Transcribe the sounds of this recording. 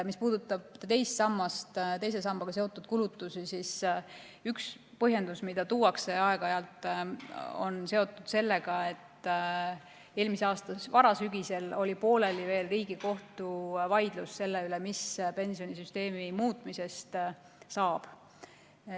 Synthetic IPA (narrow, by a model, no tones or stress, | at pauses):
mispuːd̪̥ut̪ːˑɑb̥̚t̪e̞jst̪sɑmːɑst̪t̪e̞jse̞s̬ɑmb̥ɑɡ̥ɑse̞ot̪ːˑud̪̥̚kulut̪ːˑusisis | yks | pɤɦje̞nd̪usmid̪̥ɑt̪uːɑkse̞ɑe̞ɡ̥ɑeɑlt̪ˑ | o̞̰nse̞o̞t̪ːˑud̪̥se̞lːe̞ɡ̥ɑe̞t̪ː | e̞ːlmiseɑːst̪ɑvɑɾɑsyɡ̥ise̞lo̞lʲipo̞ːle̞live̞ːlriːɡ̥iko̞ht̪uvɑjd̪̥lusse̞lːeylemispe̞nsio̞nisyst̪e̞ːmimuːt̪ˑmise̞st̪ | sɑːb̥